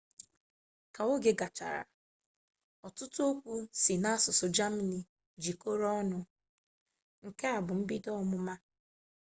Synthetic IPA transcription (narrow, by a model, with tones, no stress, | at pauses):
ka˨o˦ɡe˨ɡa˨t͡ʃa̰˨ɾa̰˨ | ɔ˨tʊ˦tʊ˦o˦kʷu˦si˨na˦a˦sʊ˨sʊ˨d͡ʒa˦m˦˨ni˨ | d͡ʒi˨ko˦ɾɔ˦ɔ˦nʊ˦ | ŋ̩˨ke˦a˨bʊ˨m̩˦bi˦dɔ˦mʊ˦ma˦